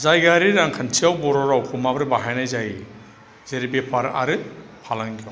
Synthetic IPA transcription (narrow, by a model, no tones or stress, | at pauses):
zajɡaɾiɾaŋkʰantʰiawbɔɾɔɾawkʰumabɾɯbaɦajnajzaj | zeɾibepʰaɾa̰ɾɯ | pʰalankʰiɔ